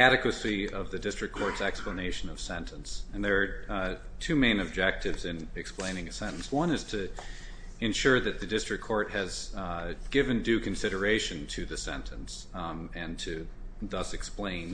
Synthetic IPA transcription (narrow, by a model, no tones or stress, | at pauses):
æɾɨkwɨsiʌvðɨdɪstɹ̥ɨkʰɔɹtsɛkspləneɪʃɨ̃nʌv̥sɛ̃ntʰə̃nsɨ̃nðə˞ː | tʰʉmẽɪ̃nɨb̚d͡ʒɛk̚tɨvzɨ̃nɨksplẽɪ̃nɪ̃ŋɨsɛ̃ñn̩swʌ̃nɨz̥tʰɨ | ɨ̃nʃʊɹðɨt̪̚ðɨdɪstɹ̥ɨkʰɔɹt̚hɨz | ɡ̥ɪvɨ̃ndʉkʰɨ̃n̩sɪɾə˞eɪʃɨ̃ntʰɨðɨsɛ̰̃ntʰɨ̃ns | ɨ̃ntʰɨ | ðʌsɨksplẽɪ̃n